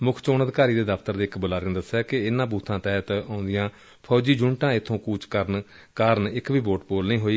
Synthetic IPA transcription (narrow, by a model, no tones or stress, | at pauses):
mʊkʰt͡ʃoːnəd̪ɪkaːɾiːd̪eːd̪əpʰt̪əɾd̪eːɪkbʊlaːɾ̃ːd̪əsːaːkɪɪnãːbuːt̪ʰːãːt̪ɛːɦt̪ãːʊnd̪ɪjãː | pʰɔːd͡ʒiːd͡ʒʊɳʈãːɪt̪ʰːõːkuːt͡ʃkəɾn | kaːɾənɪkʋiːboːʈpoːlnəĩːɦoːiː